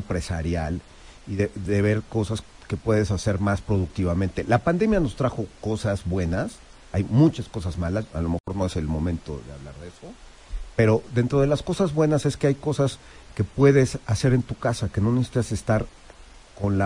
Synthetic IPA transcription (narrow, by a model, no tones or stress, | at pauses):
mpɾe̞sa̰ɾjal | iðeðe̞β̞e̞ɾko̞sas | ke̞pwe̞ðe̞sase̞ɾmaspɾo̞ð̞uk̚t̪iβamẽnt̪e̞lapand̪e̞mjano̞st̪ɾaxo̞ko̞sazβwe̞nas | ajmũt͡ʃasko̞sazmalasa̰lo̞mexo̞ɾno̞e̞se̞lmo̞mẽ̞nt̪o̞̰ðe̞a̰βlaɾðe̞so̞ | pe̞ɾo̞ðe̞nt̪ɾo̞ð̞e̞lasko̞sazβwe̞nase̞skeajko̞sas | ke̞pwe̞ðe̞sase̞ɾe̞nt̪ukasake̞no̞nesi̥t̪asest̪aɾ | ko̞nla